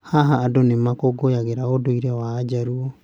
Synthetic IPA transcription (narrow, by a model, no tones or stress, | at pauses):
haɦaːdonɛmakoɡojaɡɛɾaodoiɾɛβaːd͡ʒaɾuo